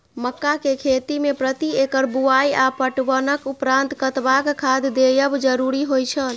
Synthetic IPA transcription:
məkːakekʰet̪imepɾət̪iekəɾbuajapəʈbənəkupɾãnt̪kət̪bakkʰad̪d̪ejəbd͡ʒəɾuɾiɦojt͡ʃʰəl

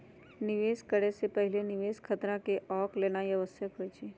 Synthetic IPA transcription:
nɪʋeːskəɽesepɐɦɪlenɪʋeːskʰət̪ɾakeʔɔːkleːnajɐʋəsəkɦoit͡ʃʰiː

